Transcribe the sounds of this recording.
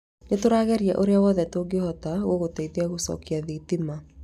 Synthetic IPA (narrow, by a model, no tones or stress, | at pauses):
netoɾaːɣɛɾiɛʔoɾeawɔːðɛtoɡehɔtaɣoɣotɛiðeaɣosɔ̰kiaðitima